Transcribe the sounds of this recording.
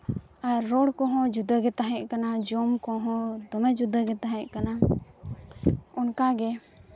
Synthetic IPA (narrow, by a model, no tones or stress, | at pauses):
aɾɔɽkɔɦɔ̃d͡ʒud̪əɡɛt̪aɦɛ̃ʔ̚ˀkanad͡ʒɔmkɔɦɔ̃d̪ɔmɛd͡ʒud̪əɡɛt̪aɦɛ̃ʔ̚kana | ɔnkaɡɛ